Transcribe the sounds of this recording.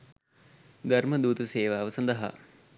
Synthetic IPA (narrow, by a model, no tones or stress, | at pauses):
d̪ɐrməd̪uːt̪ɐseːʋaːʋəsɐnd̪ɐɦa̰